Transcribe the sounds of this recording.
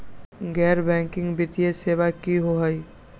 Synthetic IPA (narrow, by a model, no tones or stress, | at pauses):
ɡɛːɾbɛ̃ŋkɪ̃ŋɡbɪt̪ijesebakiɦoɦəj